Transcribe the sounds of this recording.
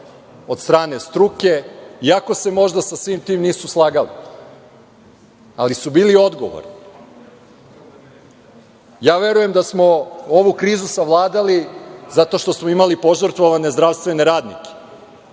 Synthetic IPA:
o̞d̪st̪ɾaːne̞st̪ɾuke̞iako̞se̞mo̞ʒd̪asasʋiːmt̪iːmniːsuslˠaːɡalḭ | alisubiːlio̞d̪ɡo̞̰ʋo̰ɾni | jaːʋe̞ɾuje̞md̪asmo̞o̞ʋukɾiːzusaʋlˠaːd̪alizat̪o̞ʃt̪osmoimalipo̞ʒərɾt̪ʋoʋane̞zd̪ɾaʋst̪ʋe̞ne̞ɾaːd̪nḭke̥

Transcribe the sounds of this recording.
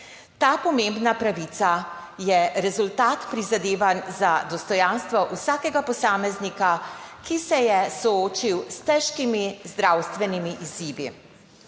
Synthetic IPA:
t̪aːpɔmeːmbnapɾaʋit̪sajɛɾɛzult̪aːt̪pɾizad̪eːʋanzad̪ɔst̪ɔjaːnst̪ʋɔʔusaːkɛɡapɔsaːmɛznikakisɛjɛsɔoːt͡ʃiwst̪ɛʃkimizd̪ɾawst̪ʋɛnimiʔiziːʋi

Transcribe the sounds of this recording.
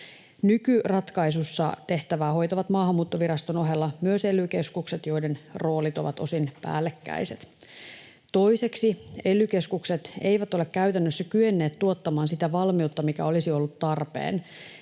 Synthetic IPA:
nykyrɑt̪kɑisusːɑ̰t̪e̞ht̪æʋæːho̞jt̪ɑʋɑt̪mɑːɦhɑmːuːt̪ːoʋiɾɑst̪ono̞ɦelːɑmyøselyk̟e̞skukset̪jo̞ide̞nro̞ːlit̪oʋɑ̰t̪o̞sinpæ̰ːlːekːæ̰jset̪ | t̪o̞ise̞ksie̞lyk̟e̞skukse̞t̪e̞jʋæt̪o̞le̞kkæyt̪ænːøsːækyenːe̞ːt̪t̪ːuot̪ːɑmɑːnsit̪æʋɑlmiut̪ːɑmikæ̰o̞lisio̞lːut̪t̪ɑrpḛːn

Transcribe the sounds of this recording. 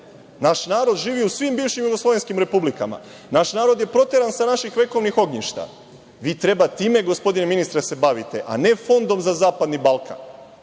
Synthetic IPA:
naʃnaːɾo̞d̪ʒiːʋiusʋimbiːʋʃimjuɡoslˠo̞ʋe̞nskimɾe̞publika̰ma̰ | naʃnaːɾo̞d̪je̞pɾo̞t̪eɾansanaʃixʋe̞ko̞ʋnixo̞ɡɲiʃt̪a̰ | ʋiːt̪ɾe̞bat̪iːme̞ɡo̞spo̞d̪ineminist̪ɾase̞baʋit̪e̞ʔa̰ne̞fo̞nd̪o̞mzazaːpad̪nibalˠkʰa̰n

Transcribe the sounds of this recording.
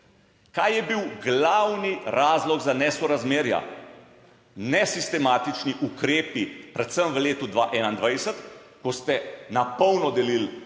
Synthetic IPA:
kaːjjɛbiwɡlawniɾʔaːzlɔɡzanɛsɔɾazmeːɾja̰ | nɛsist̪ɛmaːt̪it͡ʃniʔukɾeːpipɾɛt̪səmʋəleːt̪ud̪ʋaːʔɛːnaind̪ʋajsət̪ | kɔst̪ɛnapɔwnɔd̪ɛlil

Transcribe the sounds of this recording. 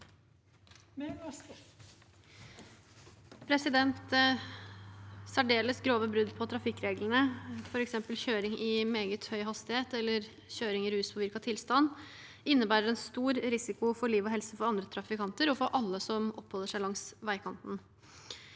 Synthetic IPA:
pʰɾɛsɪd̪ɛnt̪ | sæɖeːləsɡɾoːʋəbɾʉd̪pʰɔt̪ʰɾɑfɪkːɾeːɡlənəfɔɾɛksɛmpəlçøːɾɪŋɪmeːɡət̪hœʏɦɑst̪ɪheːt̪ɛlːəɾ | çøːɾɪŋɪɾʉːspʰɔʋɪɾkɑt̪ʰɪlst̪ɑnː | ɪnːəbæːɾəɾɛnst̪uːɾɾɪsɪkʊfɔɭiːʋɔɦɛlsəfɔɾɑnd̪ɾət̪ʰɾɑfɪkʰɑnt̪əɾɔfɔɾʔɑlːəsɔmɔpːhɔlːəʂæɪlɑŋsʋæɪkʰɑnt̪n

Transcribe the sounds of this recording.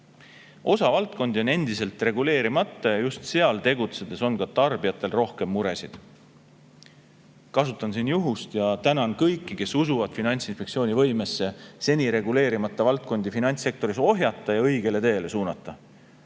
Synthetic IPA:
o̞sɑvɑlt̪̚ko̞nd̪io̞ne̞nd̪̥ise̞lt̪ˑre̞ɡ̥ule̞ːɾimɑt̪ːˑɑjɑjust̪se̞ɑlt̪e̞ɡ̥ut̪se̞d̪̥e̞so̞nkɑt̪ɑrb̥ijɑt̪ːˑe̞lro̞hke̞mːuɾe̞sid̪̥ | kɑsut̪ːˑɑnsinjuɦust̪jɑt̪ænɑnkɤ̞jkːˑike̞susuvɑd̪̥finɑnʲt̪sinspe̞ktsio̞ːnʲivɤjme̞sːe̞se̞nʲiɾe̞ɡule̞ːɾimɑt̪ˑːɑvɑlt̪̚ˑko̞nd̪̥ifinɑnʲt̪se̞k̚t̪o̞ɾiso̞ɦjɑt̪ːˑɑjɑɤjɡ̥e̞le̞t̪e̞ːle̞suːnɑt̪ːˑɑ

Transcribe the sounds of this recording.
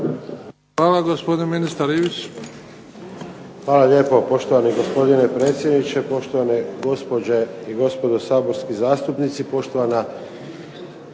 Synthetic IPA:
xʋaːlaɡospod̪inminist̪aɾiʋit͡ɕ | ʋaːlale̞ːpo̞po̞ʃt̪oʋaniɡospo̞d̪inepɾe̞ːt̪sʲjed̪nit͡ʃe̞po̞ʃt̪oʋaneɡo̞spod͡ʑeiɡo̞spo̞d̪osaːbo̞ɾskizaːst̪upnit̪sipo̞ʃt̪oʋana

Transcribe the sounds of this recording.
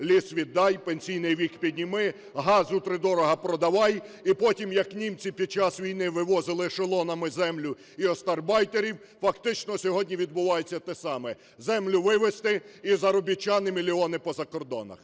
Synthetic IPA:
lʲisʋʲid̪ːɑjpenʲsʲijnɪjʋʲikpʲid̪ʲnʲimɪ | ɦɑzʊt̪ɾɪd̪ɔɾɔɦɐpɾɔd̪ɐʋɑjipɔtʲimjɐknʲimt͡sʲipʲid̪̚t͡ʃɑsʋʲijnɪʋɪʋɔzɪlˠɪʃelˠɔnɐmɪzɛmlʲʊ | iɔst̪ɐrbɑjt̪eɾʲiw | fɐkt̪ɪt͡ʃnɔsʲɔɦɔdʲnʲiʋʲid̪bʊʋɑjet͡sʲːɐt̪ɛsɑmɛ | zɛmlʲʊʋɪʋest̪ɪizɐɾɔbʲɪt͡ʃɑnɪmʲilʲiɔnɪpɔzɐkɔrd̪ɔ̰nɐ̰x

